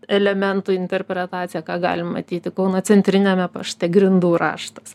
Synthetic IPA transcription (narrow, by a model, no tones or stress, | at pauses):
ɛlʲɛmʲɛnt̪ʊɪnʲt̪ʲɛrʲpʲɾʲɛt̪ɑːt̪t͡s̪ʲɪjɛkɑːɡɑ̰ːlʲɪmmɐ̰t̪ʲiːt̪ʲɪkɐʊnɐt͡s̪ʲɛnʲt̪ʲɾʲɪnʲɛmʲɛpɐʃt̪ʲɛɡɾʲɪnd̪uːɾɑ̰ːʃt̪ɐs